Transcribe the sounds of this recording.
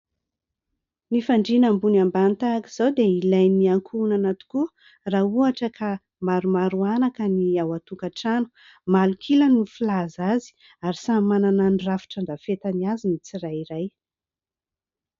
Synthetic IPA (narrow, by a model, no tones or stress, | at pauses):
nifaɳɖ͡ʐinambunambanit̪akiz̥awd̪eilajniaŋkʰunanat̪u̥ku | rauaʈ͡ʂəkʰa | maɾumaɾuanakəniawat̪ukaʈ͡ʂanu̥ | malukʰiləniflazazi̥ | aɾisamanananrafi̥ʈ͡ʂaɳɖ͡ʐafet̪aniazinit͡siɾajiɾaj